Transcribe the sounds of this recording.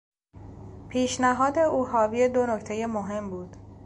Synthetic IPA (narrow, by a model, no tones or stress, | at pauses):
pʰiːʃnæɦɒːd̪e̞ʔuːhɒːbijed̪onoct̪ʰe̞jemoɦe̞mbuːd̪̥